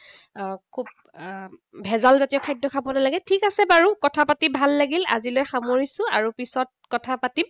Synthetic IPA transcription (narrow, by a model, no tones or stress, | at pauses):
kʰub̚ | bʱɛzalzatijɔkʰajdːɔkʰabɔnalaɡɛtʰikasɛbaɹukɔtʰapatibʱalːaɡila̰zilojxamoɹisʊ̃aɹupisɔt̚kɔtʰapatim